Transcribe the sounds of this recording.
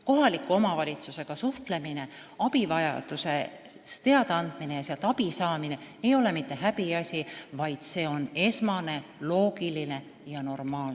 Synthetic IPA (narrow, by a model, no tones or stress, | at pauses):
ko̞ɦɑlikːˑuo̞mɑvɑlʲit̪suse̞ɡ̥ɑsuht̪le̞mine̞ɑpivɑjɑ̰d̪̥use̞̰ | t̪e̞ɑd̪eɑnd̪̥minejɑseɑlt̪ːɑpisɑːmine̞ejo̞le̞mit̪ːe̞ɦæbiɑsʲivɑjd̪̥se̞ːo̞ne̞smɑne̞lo̞ːɡ̥iline̞ | jɑno̞rmɑːl